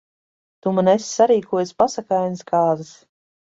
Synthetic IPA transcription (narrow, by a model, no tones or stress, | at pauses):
t̪umanesʲsːaɾiːkuɔjaspasakajnskaːzɨs